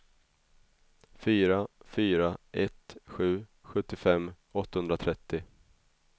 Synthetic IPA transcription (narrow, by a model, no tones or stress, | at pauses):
fyːɾafyːɾaʔɛt̪ɧʉ̟ːɧɵt̪ːɪfɛmː | ɔt̪ːahɵnd̪ɾat̪ʰɾɛt̪ːɪ